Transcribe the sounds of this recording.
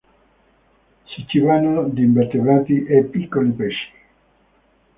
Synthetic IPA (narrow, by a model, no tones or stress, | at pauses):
sit͡ʃːivanod̪imbeɾt̪evaːt̪iʔepːikːolipɛʃi̥